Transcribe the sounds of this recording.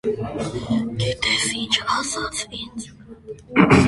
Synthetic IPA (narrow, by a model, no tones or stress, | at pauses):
ɡɛt̪ɛsint͡ʃʰɑsɑt͡sʰind͡z